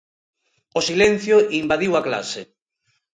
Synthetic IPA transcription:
osilen̟θjoimbaðiwakla̰se

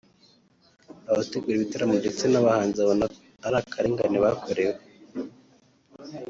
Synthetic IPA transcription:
aβateɡuɾiβitaɾamundet͡senaβahaːnziaβona | aɾakʰaɾeŋɡa̰niβakoɾewe

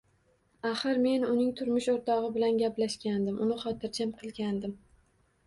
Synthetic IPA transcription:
aχɨɾme̞nʊnɪŋt̪ʰʊɾmʊʃoɾt̪ʰɒʁɨbɪlanɡʲaplaʃkʲand̪ɪmʊnɪχɒt̪ʰɪɾt͡ʃʰamqʰɨlˠɡʲand̪ɪm

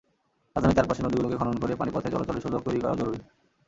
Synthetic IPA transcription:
azʱamit̪aɾpaʃenod̪iɡulokekʰɔnonkoɾepanipɔt̪ʰed͡ʑ̪ɔlot̪ɔleʃod̪ʱokt̪oɾikɔɾa̰d͡ʑɔɾuɾi

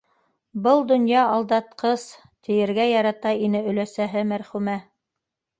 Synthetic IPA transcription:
bɤlˠd̪ŏnjɑɑlˠd̪ɑt̪̚qɤs | t̪ʰɘ̆jɘ̆ɾɡæjɑɾɑt̪ɑinɘɵ̆læsæɦɘmæɾχʉmæ

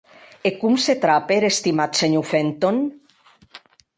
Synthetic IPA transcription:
ekumset̪ɾapeɾest̪imat̪seɲufent̪on

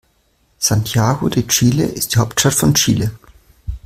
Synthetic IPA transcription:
santʰjaːɡodeːɐt͡ʃiːlə̰ʔɪst̚d̥iːhaʊp̚tʃtatfɔnt͡ʃiːlə

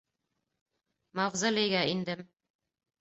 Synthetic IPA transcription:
mɑvzɑlʲɘ̆jɡæind̪ɘm

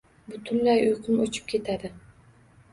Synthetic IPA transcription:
bʊt̪ʰʊnlajʊjqʰʊmot͡ʃʰɪ̥p̚kʲʰe̞t̪ʰad̪ɪ

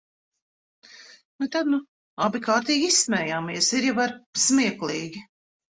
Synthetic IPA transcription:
nut̪ad̪nu | abikaːɾt̪iːɡʲissmɛːjaːmiɛsiɾjavaɾsmiɛklˠiːɡʲi

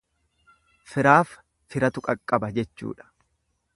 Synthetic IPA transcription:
fɪɾaːf | fɪɾɐt̪ʊkʼɐkʼːɐbɐd͡ʒɛt͡ʃːṵːᶑɐ̥

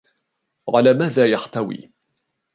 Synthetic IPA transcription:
ʕalaːmaːðaːjaħt̪awḭː

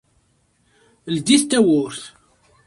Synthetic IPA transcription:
ld̪iθt̪ːæwʊɾθ

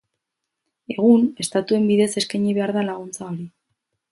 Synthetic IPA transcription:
e̞ɣ̞une̞st̪at̪ue̞mbiðe̞se̞skaɲiβe̞aɾðalaɣ̞unt͡sao̞ɾi

